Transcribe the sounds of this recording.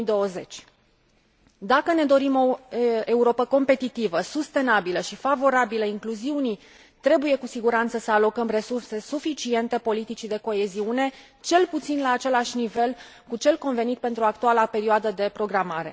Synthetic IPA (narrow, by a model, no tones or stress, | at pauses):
id̪o̞əze̞t͡ʃʲ | d̪akəne̞d̪o̞ɾimo̞e̞uɾo̞pəko̞mpe̞t̪it̪ivəsust̪e̞nabiləʃifavo̞ɾabiləiŋkluziuni | t̪ɾe̞buje̞kusiɡuɾant̪səsəalo̞kəmre̞surse̞sufit͡ʃie̞nt̪e̞po̞lit̪it͡ʃid̪e̞ko̞e̞ziune̞ | t͡ʃe̞lput̪sinlaːt͡ʃe̞laʃʲnive̞l | kut͡ʃe̞lko̞nve̞nit̪̚pe̞nt̪ɾuak̚t̪ualape̞ɾioad̪əd̪e̞pɾo̞ɡɾamaɾe̞̰